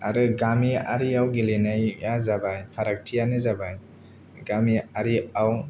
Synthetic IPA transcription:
a̰ɾɯɡamiaɾiawɡilenajjazabajpʰaɾak̚tʰijanɯzabaj | ɡamiaɾiaw

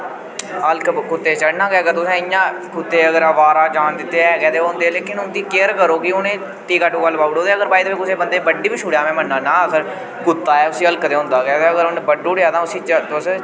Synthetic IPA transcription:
əlkkʊt̪ːeːt͡ʃəɽnãːɡɛːɡaːt̪ʊsẽːɪjãːkʊt̪ːeːəɡəɾəʋaːɾaːd͡ʒaːnd̪ɪt̪ːeːɛːɡɛːt̪eːoɦʊ̃nd̪eːɛːleːkɪnʊnt̪iːkeːɾkəɾoːkiʊnẽː | t̪iːkaʈũːɡəlːpaːɽõːd̪eːəɡəɾbaːid̪ebeːkʊseːbənd̪eːbəɖiːbiːʃʰʊɽjaːmɛ̃ːmənːaːnãːəkʰəɾ | kʊt̪ːaːɛːʊsĩːəlkəd̪eːɦʊ̃nd̪aːɡɛːɡaːəɡəɾʊneːbəɖuːɽeaːt̪ãːʊsĩːt͡ʃət̪ʊs

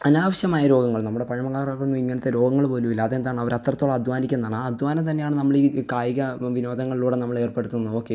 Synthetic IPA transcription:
ɐnaːʋɐɕjɐmaːjɐɾo̞ːɡɐŋːɐɭnɐmːuɽe̞pɐɳɐmɐkaːɾɐɣɐɭunːumiŋːɐnɐt̪ːe̞ɾo̞ːɡɐŋːɐɭpoːlumilːaːðe̞nd̪aːɳɐʋɐɾɐt̪rɐt̪ːo̞ːɭːɐd̪ʱʋaːnikʲːenɐðaːɳaɐd̪ʱʋaːnɐmt̪̬ɐnːejaːɳɨnɐmːɐɭikaːjiɣɐʋino̞ːd̪ʱɐŋːɐɭiluːɽe̞nɐmːɐɭe̞ːrpe̞ɽut̪ːunːɐo̞ːkːe

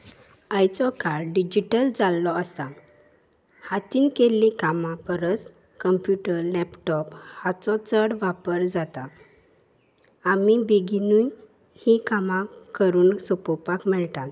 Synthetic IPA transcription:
ajt͡sɔkaɾɖid͡ʑiʈəld͡zalːɔəsa | hat̪iːnkelikamãpəɾət͡s | kəmpjuʈəɾlɛpʈɔphat͡sɔt͡səɽʋapəɾd͡zat̪a | amibiɡinuj | hikamãkəɾuːnsopɔpakmɛɭt̪al

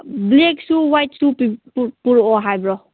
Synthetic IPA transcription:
bleksuwajtsupippuɾɔɦajbɾɔ

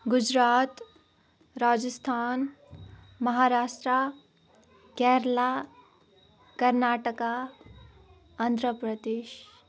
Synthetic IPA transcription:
ɡʊd͡ʒɾaːt̪ | ɾaːd͡ʒəst̪ʰaːn | mɐɦaːɾaːsʈɾa | kɛːɾla | kəɾnaːʈəka | ɐnd̪ɾəpɾəd̪eːʃ

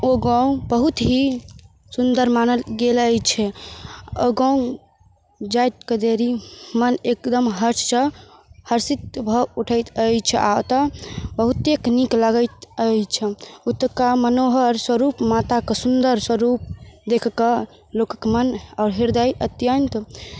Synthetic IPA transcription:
oɡãũbəɦut̪ɦi | sund̪əɾmanəlɡelət͡ʃʰɛ | oɡãũ | d͡ʒajt̪̚ked̪eɾimənekd̪əmɦəɾt͡ʃsəhəɾsit̪̚bʱəuʈʰəjt̪əjt͡ʃʰɛʔa̰ot̪əbəɦut̪eknikləɡəɪt̪əjt͡ʃʰɛut̪kamənoɦəɾswəɾupmat̪akesund̪əɾswəɾup̚d̪ekʰkə | lokəkmənaʊɾɦiɾd̪əjʔət̪jənt̪

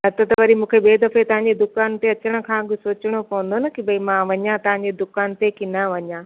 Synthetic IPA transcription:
ɐt̪ət̪ʋɐɾimũːkʰebeːd̪ɐfet̪ɐʋ̤ãːɲd͡ʑed̪ʊkaːnt̪eɐt͡ɕəɽ̃ʊ̆kʰãːɡɪsoːt͡ɕɪɽ̃opɐʋə̃n̆d̪onɐkibɐimãʋɐɲãt̪ɐʋ̤ãɲ̆d͡ʑed̪ʊkaːnt̪ekinɐʋɐɲãː

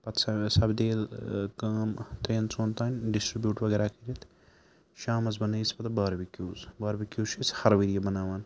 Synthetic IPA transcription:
pɐt̪ʰsɐsɐbd̪eːlkaːmt̪ɾeːnt͡soːnt̪aːnʲɖisʈɾibjuːʈʋɐɡeːɾaːkʰiɾit̪ʰ | ʃaːmɐzbɐnɐjispɐt̪baːɾbikjuːzbaːɾbikjuːt͡ʃʰishɐɾʋiːɾijɐbɐnaːʋaːn

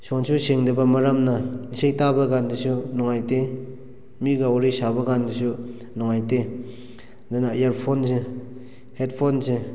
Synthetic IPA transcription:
sɔnsuseŋdɐbɐmaɾamnɐisejtabɐɡandɯsunɔŋajte | miɡaɔɾisabɐɡandɯsu | nɔŋajte | dɯnajaɾpʰonse | het̚pʰonse

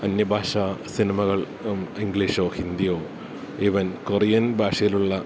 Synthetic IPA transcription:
ɐnjɐbʱaːʂaːsinimɐɣɐɭ | iŋɡliʂoːhind̪ijoː | iʋɐnkorijɐnbʱaːʂɐjiluɭːɐ

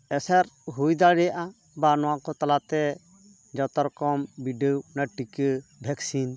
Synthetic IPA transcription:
ɛsaɾɦujd̪aɽɛjaʔa | banɔwakɔt̪alat̪ɛ | d͡ʒɔt̪ɔɾkɔmbiɖəwnaʈikəbʱɛksin

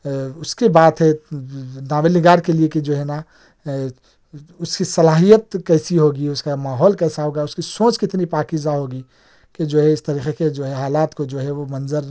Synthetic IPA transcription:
ʊskebaːt̪ɦɛ | nãːʋelɪɡaːɾkelieked͡ʒoːɦɛna | ʊskisɐlaːɦijət̪̚kɛɪsiɦoːɡiʊskamaːɦɔːlkɛːsaɦoːɡaʊskisõːt͡ʃkɪt̪nipaːkid͡ʒaɦoːɡi | ked͡ʒoːɦɛɪst̪əɾiːxeked͡ʒoːɦɛɦaːlaːt̪kod͡ʒoːɦɛʋomɐnzəɾ

